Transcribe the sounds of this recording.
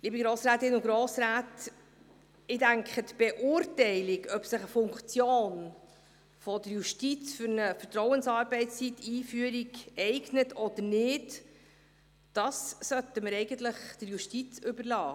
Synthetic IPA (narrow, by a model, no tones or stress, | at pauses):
liːbiɡɾoːsɾæːt̪ɪnʊɡɾoːsɾaːt | ɪdæŋkχətb̥ɛʔʊːɾtɛɪlɪɡœpsəχəfʊŋkt͡sjoːn | fɔdəɾjuʃtit͡sfʏɾnəfətɾɔwənsɑːɾbɛɪtst͡sitiːfyːəɾiɡɛɪɡnətɔd̥̪əɾnɪːd | d̥ɑssœtəməɾɛɪɡənt̪ləχd̥əɾjuʃtit͡sʏbəɾlɑː